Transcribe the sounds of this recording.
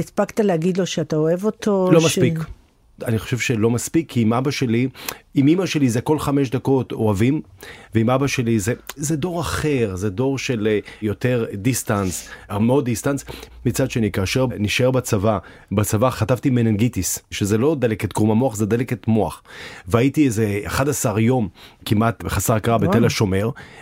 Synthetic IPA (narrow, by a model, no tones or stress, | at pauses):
ispakt̪aleaɡid̪loʃeat̪aoevotolomaspik | aniχoʃe̞vʃelo̞maspikʰːiimabaʃe̞liimimaʃe̞lizeko̞lχame̞ʃd̪ako̞to̞avimveimabaʃelizezedo̞ʁaχe̞ʁzedo̞ʁʃe̞ljo̞t̪e̞ʁdistansamod̪ist̪ansmit͡sad̪ʃe̞nikaːʃe̞ʁniʃeʁbat͡sava | bat͡savaχatavt̪imenenɡit̪isʃezelo̞d̪eleket̪̚ɡʁumamoaχzed̪eleket̪moa̰χveaitiezeχadasaʁjo̞mkimat̪beχasaʁkaʁabet̪elaʃo̞me̞ʁ